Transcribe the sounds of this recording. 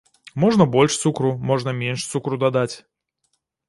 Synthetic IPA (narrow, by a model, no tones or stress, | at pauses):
mɔʐnɐbɔlʲʂt̪sukɾumɔʐnɐmʲenʂt̪sukɾud̪ad̪at͡sʲ